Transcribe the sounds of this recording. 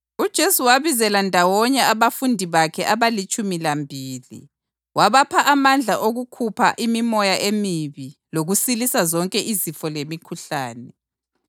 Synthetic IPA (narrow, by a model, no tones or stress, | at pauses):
ud̥ʒ̥ʱesuwaβizɛlandʱawɔɲɛaβafundʱiβakʰɛʔaβalit͡ʃʼumilambʱiːlḭ | waβapʰaʔamand͡ɮʱaʔoɣukʰupʰa̰ʔimimɔjaʔemiβiloɣusilisazɔŋkʼɛʔizifɔlemikʰuɬaːnɛ